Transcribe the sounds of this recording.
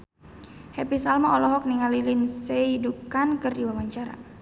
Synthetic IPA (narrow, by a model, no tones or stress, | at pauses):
hɛpisalmaɔlɔɦɔk̚niŋalilinseidukankɨriwawaɲt͡ʃaɾa̰